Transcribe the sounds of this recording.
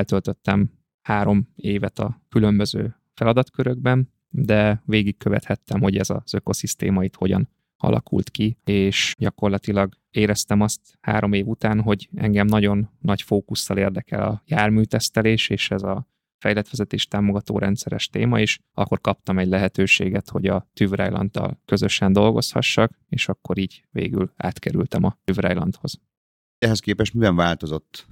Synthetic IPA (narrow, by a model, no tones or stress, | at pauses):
lt̪ølt̪ø̞t̪ːɛm | haːɾo̞meːvɛt̪ɒkylø̞mbøzø̰ː | fɛlɒd̪ɒt̪køɾøɡbɛn | d̪ɛveːɡikkːø̞vɛ̰t̪hɛt̪ːɛmho̞ɟɛzɒ̰z̥ø̞ko̞sist̪ḛːmɒit̪ho̞̰ɟɒ̰n | ɒ̰lʔɒ̰kʰṵlt̪kieːʃɟɒko̞rlɒt̪ilɒɡ | eːɾɛst̪ɛmɒst̪ | ha̰ːɾo̞meːvut̪aːnɦo̞ɟɛ̰ŋɡɛmnɒɟo̞nːɒɟcfoːkusːɒleːrd̪ɛkɛ̰lɒjaːrmyːt̪ɛst̪ɛleːʃeːʃɛzɒ | fɛjlɛt̪ʋɛzɛt̪eːʃt̪aːmo̞ɡɒt̪o̰ːɾʔɛnt̪sɛɾɛʃt̪eːmɒeːʃ | ɒ̰kːo̞rkɒpt̪ɒmɛɟlɛɦɛt̪øːʃḛːɡɛt̪ho̞ɟɒt̪yvrɛ̰jlɒ̰nt̪ːɒ̰lkø̞zø̞ʃɛnd̪o̞lɡo̞̰shɒ̰ʃːɒkeːʃɒkːo̞ɾiːɟvḛːɡy̰la̰ːt̪kɛɾy̰lt̪ɛmɒyvrɛjlɒ̰nt̪ho̞z̥ | ɛɦɛskeːpɛʃt̪mivɛɱvaːlt̪o̞zo̞t̪ː